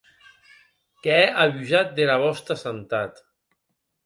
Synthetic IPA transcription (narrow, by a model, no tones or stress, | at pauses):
kɛɛʔaβyzat̪̚d̪elaβɔst̪asant̪at̪